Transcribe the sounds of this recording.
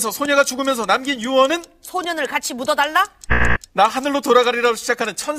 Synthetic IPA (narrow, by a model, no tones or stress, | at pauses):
sʰʌsʰoɲeɡat͡ɕuɡɯmjʌnsʰʌnamɡinjuwʌnɯnsʰoɲʌnɯɭkat͡ɕʰimudʌdaɭːanaɦanɯɭːotoɾaɡaɾiɾaɡoɕʰid͡ʑakʰanɯnt͡ɕʰʌn